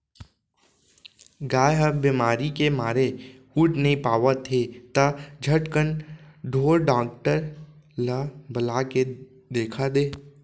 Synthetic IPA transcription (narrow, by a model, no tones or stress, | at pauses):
ɡaːjɦəbɪmaːɾikemaːɾehuːʈnəɦĩpaːʋət̪ʰːet̪ad͡ʒʱəʈkənɖʱoːɾɖaːk̚ʈəɾ | ləbəlaːke | d̪eːkʰad̪eː